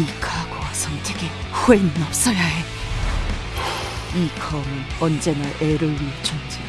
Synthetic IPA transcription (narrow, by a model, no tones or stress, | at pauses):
ikʰaɡasʰʌŋtʰeɡe | huenːʌp̚s͈ʌjaɦe | ikʰʌmɯnʌnd͡ʑe̞naʔeɾɯwiet͡ɕʰʌnd͡ʑi